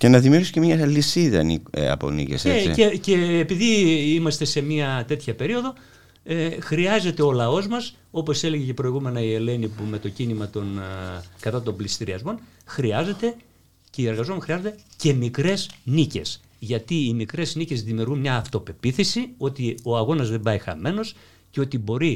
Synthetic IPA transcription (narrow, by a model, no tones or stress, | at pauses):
cenɐðimiuɾɣiscemɲɐlisiðɐ̰nḭɐ̰po̰nḭceseeḭece̞ːpiðiimɐst̪e̞se̞miɐt̪e̞t̪çɐpe̞ɾio̞ðo̞ | exɾiɐze̞t̪e̞o̞lɐo̞zmɐs | o̞po̞se̞leʝece̞pɾo̞iɣume̞nɐie̞le̞nipume̞t̪o̞cinimɐt̪o̞nkɐt̪ɐt̪o̞mblist̪iɾiɐzmo̞nxɾiɐze̞t̪e̞ | cie̞ɾɣɐzoxɾiɐzo̞d̪ece̞mikɾe̞znice̞̰s | ʝɐt̪iːmikɾe̞znice̞zðimiuɾɣunmɲɐːft̪o̞pe̞piθisio̞t̪io̞ɐɣo̞nɐzðe̞mbɐixɐ̰me̞no̞s | ceo̞t̪ibo̞ɾi